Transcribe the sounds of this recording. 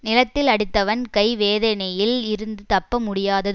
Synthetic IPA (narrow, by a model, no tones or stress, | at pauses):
nɪlɐt̪ːɪlɐɽɯt̪ːɐʋɐnkɐɪʋeːðɐnɐjɪlɪɾɯnd̪ɯt̪ɐpːɐmʊɽɪjaːðɐðɯ